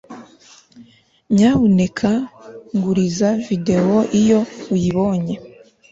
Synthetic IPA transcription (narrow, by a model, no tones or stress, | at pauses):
ɲaβune̞kʰaŋɡuɾizavide̞woʔijo̞ujiβo̞ɲe̞